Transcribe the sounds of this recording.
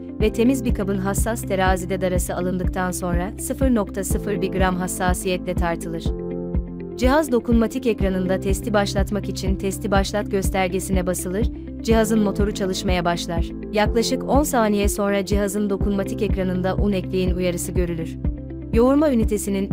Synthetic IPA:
vɛt̪ʰe̞mizbikʰabɯnɦasːast̪ʰe̞ɾaːzid̪ɛd̪aɾasɯalˠɯnd̪ɯk̚t̪ʰanso̞nɾasɯfɯɾno̞kt̪ʰasɯfɯɾbiɡɾamɦasːaːsijɛt̪lʲɛt̪ʰaɾt̪ʰɯlˠɯɾ̥ | d͡ʒiɦazd̪o̞kunmat̪ʰicecɾanɯnd̪at̪ʰɛst̪ʰibaʃlˠat̪makit͡ʃʰint̪ʰɛst̪ʰʲibaʃlˠat̪ɟø̞st̪ʰæɾɟe̞sinɛbasɯlˠɯɾ̥ | d͡ʒiɦazɯnmo̞t̪ʰo̞ɾut͡ʃʰalˠɯʃmajabaʃlˠaɾ̥ | jaklˠaʃɯko̞nsaːnijɛso̞nɾad͡ʒiɦazɯnd̪o̞kʰunmat̪ʰicecɾanɯnd̪aʔunɛclʲijinujaɾɯsɯɟø̞ɾylʲyɾ̥ | jo̞uɾmaynit̪ʰe̞sinin

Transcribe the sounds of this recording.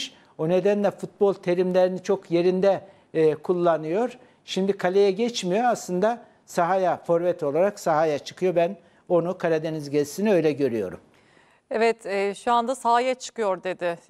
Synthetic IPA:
ʃ | one̞d̪ænlʲɛfut̪̚bo̞lˠt̪ʰe̞ɾimlʲeɾinit͡ʃʰo̞kje̞ɾind̪ɛː | kʰulˠːanɯjo̞ɾ | ʃimd̪ikʰalʲejɛɟɛt͡ʃmijo̞aslˠɯnd̪a | saɦajafo̞ɾvɛt̪ʰo̞lˠaɾaksaɦajat͡ʃʰɯ̥kʰɯjo̞bæn | o̞nukʰalʲed̪e̞nizɟɛzʲsiniø̞jlʲɛɟø̞ɾyjo̞̰ɾṵm | ɛvɛt̪ʰɛʃuand̪asaɦajat͡ʃʰɯ̥kɯjo̞ɾd̪e̞d̪ɪ

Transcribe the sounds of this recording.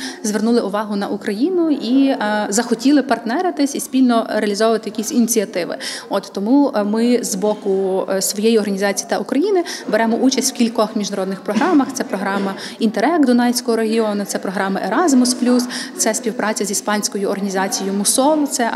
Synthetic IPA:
zʋernulˠɪʔʊʋɑɦʊnɐʔukɾɐjinʊizɐxɔtʲilˠɪpɐrt̪nɛɾɪt̪ɪsʲisʲpʲilʲnɔɾeɐlʲizɔʋʊʋɐt̪ɪjɐkʲisʲinʲit͡sʲiɐt̪ɪʋɪ̰ɔt̪t̪ɔmumɪzbɔkʊsʋɔjejiɔrɦɐnʲizɑt͡sʲijit̪ɐʔukɾɐjinɪbeɾɛmɔʔut͡ʃɐsʲtʲw̥kʲilʲkɔxmʲiʒnɐɾɔd̪nɪxpɾɔɦɾɑmɐxt̪sɛpɾɔɦɾɑmɐint̪eɾɛkd̪ʊnɑjsʲkɔɦɔɾeɦʲiɔnʊt̪sɛpɾɔɦɾɑmɐʔeɾɑzmʊsplʲust̪sɛspʲiwpɾʔɑt͡sʲɐzʲispɑnʲsʲkɔjʊɔrɦɐnʲizɑt͡sʲijʊmʊsɔlˠt̪sɛ

